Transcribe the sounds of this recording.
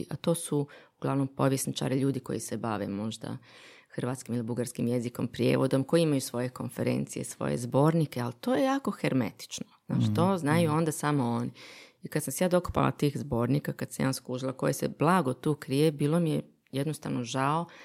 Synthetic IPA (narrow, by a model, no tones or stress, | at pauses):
ʔat̪o̞ːsuuɡ̥lˠaʋno̞mpo̞ʋjesnit͡ʃa̰ɾiʎuːd̪iko̞̰jisebaʋe̞̰mo̞ʒd̪a̰ | xr̩ʋaːt̪skimilibuɡaɾskimje̞zikompɾje̞̰ʋod̪o̞mko̞jiimajusʋo̞je̞ko̞̰nfe̞ɾḛnt̪sije̞̰sʋo̰jḛzbo̞ːɾnikealt̪oːje̞jaːko̞xeɾmḛt̪i̥t͡ʃnoz̥na̰t͡ʃi̥t̪oːznajuo̞nd̪asamooniikad̪samsejaːd̪o̞ku̥pa̰la̰t̪iːxzbo̞ːɾnikakad̪samja̰ːsklˠuʒilˠako̞̰jesḛblˠaɡo̞t̪uːkɾijebiːlˠomije | jed̪nost̪aʋnoʒao